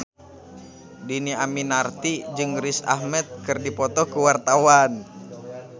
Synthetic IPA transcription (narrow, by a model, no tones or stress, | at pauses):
diniaminart̪id͡ʒɨŋrisa̰hmɛt̪̚kɨrdipɔt̪ɔhkuwart̪awan